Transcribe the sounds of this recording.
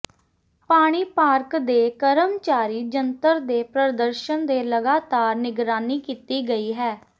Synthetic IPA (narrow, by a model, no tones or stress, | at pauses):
paːɽ̃iːpaːɾkd̪eːkəɾəmt͡ʃaːɾiːd͡ʒənt̪əɾd̪eːpɾəd̪əɾʃənd̪eːləɡaːt̪aːɾnɪɡɾaːniːkiːt̪iːɡəiːɦɛː